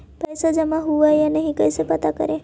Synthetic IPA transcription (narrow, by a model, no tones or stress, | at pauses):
pɐjsad͡ʒɐmãɦuʋajanəɦĩkɐjsepɐt̪akə̰ɾẽ